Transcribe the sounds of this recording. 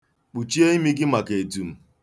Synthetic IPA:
k͡pu˨t͡ʃi˦e˦i˦mi˦ɡɪ˦ma˨ke˨tu˨m̩˨

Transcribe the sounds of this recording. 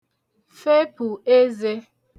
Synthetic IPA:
fe˦pu˨e˦ze˦

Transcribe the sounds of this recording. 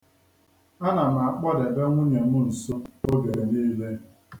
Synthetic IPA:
a˦na˨na˨a˨k͡pɔ˦de˨be˦ŋʷʊ˦ɲe˨mʊ˦n̩˨so˦o˦ɡe˨niː˦le˦

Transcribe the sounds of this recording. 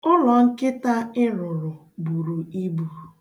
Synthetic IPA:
ʊ˦lɔ˨ŋ̩˦kɪ˦ta˦ɪ˦ɾʊ˨ɾʊ˨ | bu˨ɾu˨i˦bu˨

